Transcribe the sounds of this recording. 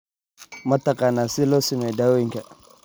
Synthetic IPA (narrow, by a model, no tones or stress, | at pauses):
mɐtakanaːsilosimedawwɪŋka